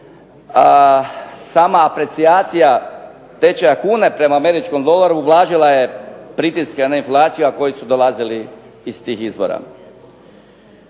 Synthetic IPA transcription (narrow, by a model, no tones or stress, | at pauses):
saːmaːpɾe̞t̪sijaːt̪sija | t̪e̞t͡ʃejakuːne̞pɾe̞maːme̞ɾit͡ʃko̞md̪o̞laɾuːblˠaːʒilˠaje̞pɾit̪iskenainflˠaːt̪sijuako̞jisud̪o̞lˠaziliː | st̪iːxizbo̰ɾa̰